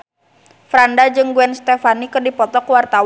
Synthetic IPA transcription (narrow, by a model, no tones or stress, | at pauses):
fɾandad͡ʒɨŋɡuɛnst̪ɛfanikɨrdipɔt̪ɔkwart̪aw